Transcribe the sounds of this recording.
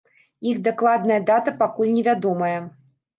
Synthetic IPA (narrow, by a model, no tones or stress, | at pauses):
ixd̪aklˠad̪̚nɐjɐd̪at̪ɐpakulʲnʲɛvʲad̪ɔmɐjɐ